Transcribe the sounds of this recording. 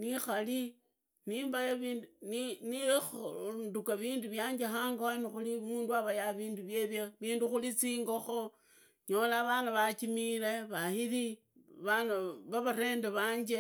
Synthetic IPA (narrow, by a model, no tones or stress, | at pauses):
nixali | niːmbajoβinnini | ndukaβiːnduβjaːɲd͡ʒexaːŋɡanixulimuːnduaβajaβiːnduβjeβjeβiːnduxulit͡siːŋɡo̞xo | ɲolaβanaβat͡ʃimile̞βahiɾi | βanaβaβaɾe̞ːndeβaːɲd͡ʒe